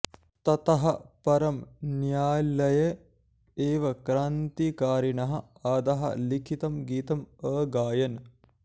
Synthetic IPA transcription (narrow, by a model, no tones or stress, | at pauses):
t̪ɐt̪ɐɦɐpɐɾɐmnjaːlɐjɐ | eːʋɐkɾaːnt̪ikaːɾinɐɦɐɐːd̪ɐɦɐ̰likʰit̪ɐmɡiːt̪ɐməːɡaːjɐn